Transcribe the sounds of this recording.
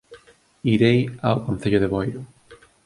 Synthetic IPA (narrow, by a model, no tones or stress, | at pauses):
iɾejawkon̟θeʎʊðeβojɾʊ